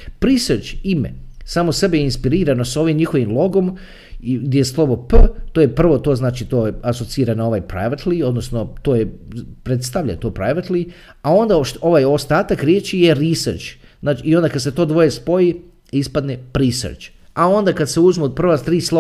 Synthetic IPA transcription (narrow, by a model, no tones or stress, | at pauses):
pɾiseɾt͡ʃimḛsaːmosebejeinspiɾiːɾanosao̞ʋimɲixo̞ʋimlˠo̞ɡo̞m | ɡd̪ʲjejeslˠo̞ʋopt̪oːjepr̩ʋo̞t̪o̞znaːt͡ʃit̪oːaso̞t̪siːɾanao̞ʋajpɾa̰jʋat̪lio̞d̪nosno̞t̪oːjepɾet̪st̪aʋʎa̰jt̪oːpɾajʋat̪li | ao̞nd̪aʃo̞ʋajost̪aːt̪akɾʲjeːt͡ʃijeɾiseɾt͡ʃ | znaːt͡ʃːond̪akad̪se̞t̪o̞ːd̪ʋo̞jespo̞ji | ispad̪nepɾisḛɾt͡ʃ | ao̞nd̪akad̪seuzmepr̩ʋat̪ɾiːslˠo